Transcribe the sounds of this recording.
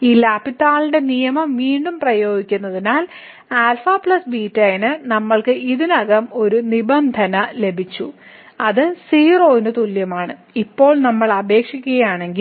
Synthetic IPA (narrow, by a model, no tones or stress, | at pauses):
iːlaːpit̪ːaːliɳɖe̞nijɐmɐmʋiːɳɖumprɐjo̞ːɡikʲːunːɐðinaːl | aːlfaːpɭɐsbiːtːɐjnɨnɐmːɐɭkɨʔiðinɐɣɐmo̞ɾunibɐnd̪ʱɐnɐle̞bʱit͡ɕːu | ɐðɨsiːro̞ːinɨt̪uljɐmaːɳɨ | ipːo̞ːɭnɐmːɐɭɐbʱe̞ːkʂikʲːuɣɐjaːɳe̞ŋɡi